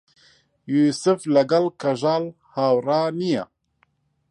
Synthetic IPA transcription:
juːsɨflɐɡɐlkʰɐʒaːl | haːwraːnija̰

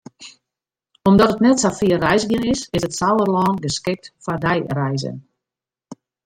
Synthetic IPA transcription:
ɔmdɔtətnɛtsafiərɛjsɡɪnɪsɪsətsawərlɑːnɡəskɪk̚tfadɛjrɛjzə̰n

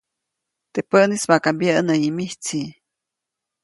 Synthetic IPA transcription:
t̪epəʔnismakambjəʔnəimiht͡si

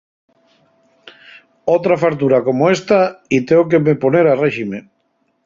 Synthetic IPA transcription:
owt̪ɾafakt̪̬uɾakomoest̪ait̪eok̬emeponeɾareʃime

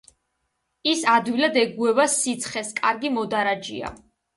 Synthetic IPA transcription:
isad̪wilad̪ɛɡuɛvasit̪sʰχɛskʼaɾɡimɔd̪aɾad͡ʒḭa̰

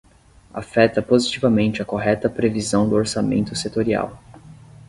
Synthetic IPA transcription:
a̰fɛt̪ɐpozit͡ʃivɐmẽnt͡ʃɪɐkoɦɛt̪ɐpɾevizɐ̃w̃d̪ʊoɾsamḛ̃nt̪ʊset̪oɾia̰w

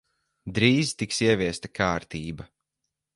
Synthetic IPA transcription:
d̪ɾiːzt̪iksiɛvʲiɛst̪akʰaːɾt̪iːbɐ

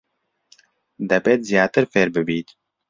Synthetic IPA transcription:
d̪ɛbeːt̪̚zijaːt̪ɨɾfeːɾbɨbiːt̪

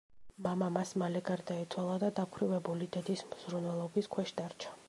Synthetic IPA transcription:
mamamasmalɛɡaɾd̪aɛt̪sʰwalˠad̪ad̪apʰɾivɛbulid̪ɛd̪ismz̥ɾunwɛlˠɔbiskʰwɛʃd̪aɾt͡ʃʰḁ

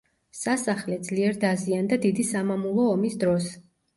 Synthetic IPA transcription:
sasaχlɛd̪z̥liɛɾd̪aziand̪ad̪id̪isamamulˠɔːmisd̪ɾɔs

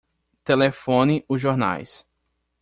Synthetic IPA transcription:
t̪elefõnɪʔʊʒoɾna̰js

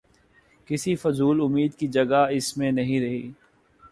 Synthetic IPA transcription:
kɪsifʊzuːlʊmiːd̪kid͡ʒɐɡaɪsmẽnɐɦĩɾɐɦḭː

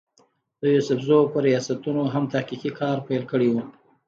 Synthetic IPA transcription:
d̪̥əjosʊfzopəɾijɑsat̪unoɦamt̪ahqiqikʰɑɾpajlkəɽewu

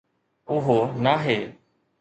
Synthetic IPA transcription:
ʊɦoːnaːɦeː

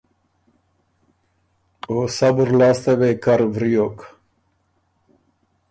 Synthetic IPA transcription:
osabuɾlaːst̪avekaɾvɾijok

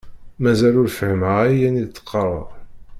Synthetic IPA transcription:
mæzælʊɾfəhməʁæjænid̪t͡sːə̥qʰːərˤə̰ðˤ

